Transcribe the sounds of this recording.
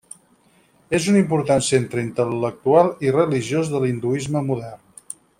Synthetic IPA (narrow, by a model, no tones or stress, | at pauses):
ezunimpuɾt̪ansent̪ɾəint̪ələlək̚t̪ualˠirəliʒjozðəlind̪uizməmuðɛrn